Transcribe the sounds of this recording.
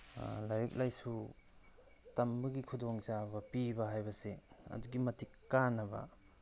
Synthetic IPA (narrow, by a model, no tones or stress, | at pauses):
lajɾik̚lajsu | tɐmbɐɡikʰudoŋt͡ʃabɐpibɐɦajbɐseɐ̰duɡimɐtʰikːanːɐbɐ̰